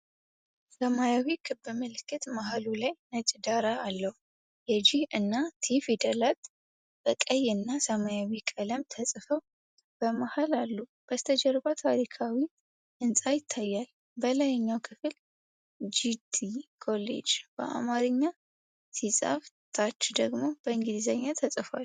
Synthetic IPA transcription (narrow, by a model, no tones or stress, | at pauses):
səmajawikʰɨbɨmɨlɨkʰːɨt̪maɦalulajnət͡ʃʼd̪aɾaːlːəhu | jɛd͡ʒihɨnːat̪ʰifid̪əlat̪ | b̥əkʼəjɨnːasəmajawikʼələmt̪ʰəsʼfəw | b̥əmahalalːub̥əst̪ʰəd͡ʒɛɾbat̪ʰaɾikʰawi | ʔɨnsʼajɪt̪ʰːajːal | bəlajɛɲːawkʰɨfɨl | d͡ʒid̪ikʰo̞lḛd͡ʒb̥ə̰ʔa̰maɾɨɲːa | sʰisʼa̰ft̪ʰat͡ʃːd̪əɡmo̞b̥əɨŋɡid̪izaɲːat̪ʰəsʼɨfal